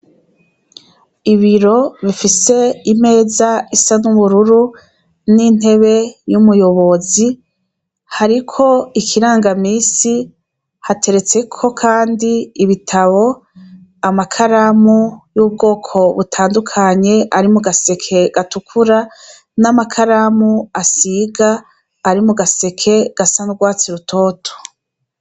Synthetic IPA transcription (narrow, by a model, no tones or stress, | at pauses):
iβiɾo̞βifise̞ime̞ːzaisanuβuɾuɾu | nin̥e̞βe̞jumujo̞βo̞zi | haɾikʰo̞ikʰiɾaːŋɡamiːsi | hate̞ɾe̞t͡se̞kʰo̞kʰaːndiːβitʰaβo̞ | amakʰaɾamujuːb̚ɡo̞ːkʰo̞βutʰaːndukʰaɲe̞ʔaɾimuɡase̞kʰe̞ɡ̥atukʰuɾa | namakʰaɾamuasiɡaː | ɾimuɡase̞kʰe̞ɡ̥asanuɡwaːt͡siɾutʰo̞ːtʰo̥